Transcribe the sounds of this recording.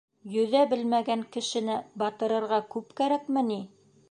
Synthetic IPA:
jɵ̆ðæbɘlmæɡæŋkɘ̆ʃɘ̆nɘbɑt̪ɤ̆ɾɤ̆ɾʁɑkʉpkæɾækmɘ̆ni

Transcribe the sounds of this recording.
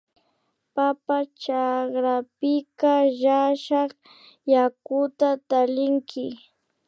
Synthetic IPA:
papat͡ʃakɾapɪkaʒaʃɑχ | jakʊt̪at̪alɪŋkʰɪ

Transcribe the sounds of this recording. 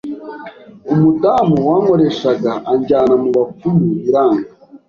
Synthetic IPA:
umutamuwaːŋo̞ɾeʃaɡaʔːɲɟaːnamuβap͡fumuiɾaːŋɡa

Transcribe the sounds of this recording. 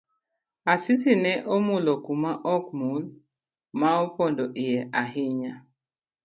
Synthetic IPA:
asisinɛʔomulɔkumaʔɔk̚mul | maopɔndɔʔijɛʔaɦiɲa

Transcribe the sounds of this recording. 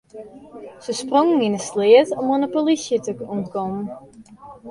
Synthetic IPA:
səsproŋŋinəslɪətɔmonəpolisjətəkunkɔm

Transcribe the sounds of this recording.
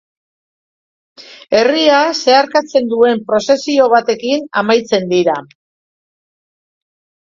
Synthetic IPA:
e̞riase̞aɾkat͡se̞nd̪ue̞mpɾo̞se̞sio̞β̞at̪e̞kina̰majt͡se̞nd̪iɾa

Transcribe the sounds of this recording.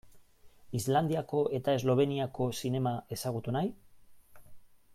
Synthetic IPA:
izland̪iako̞ʔe̞t̪ae̞zlo̞β̞e̞niako̞sine̞mae̞saɣ̞ut̪unaj

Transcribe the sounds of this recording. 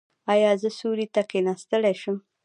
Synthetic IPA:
ɑjɑzəsuɾit̪akenɑst̪əɽeʃʊm

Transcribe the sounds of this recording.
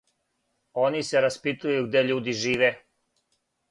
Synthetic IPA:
o̞nise̞ɾaspit̪ujuɡd̪eʎuːd̪iʒiːʋe

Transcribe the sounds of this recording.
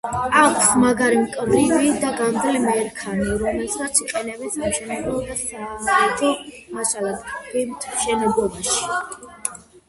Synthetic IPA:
akʷʰsmaɡaɾimkʼɾvivid̪aɡamd̪lɛmɛɾkʰaniɾɔmɛlsat̪sʰiqʼɛnɛbɛnsamʃɛnɛbɔd̪asaːaɛt̪ʰʼi | masalɛd̪ɾimt̪ʰmʃɛnɛblˠɔbaʃi̥

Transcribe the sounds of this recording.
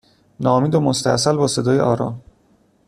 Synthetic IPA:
nɒːmiːd̪omost̪æ̰sælbɒːse̞d̪ɒːjeʔɒːɾɒ̰ːm

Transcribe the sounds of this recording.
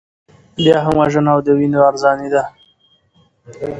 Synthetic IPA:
bjɑːɦamwaʒənawd̪əwinoaɾzɑnid̪a

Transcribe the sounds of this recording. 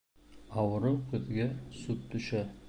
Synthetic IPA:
ɑwɤ̆ɾɤwqɵ̆ðɡæsut̪̚t̪ɵ̆ʃæ

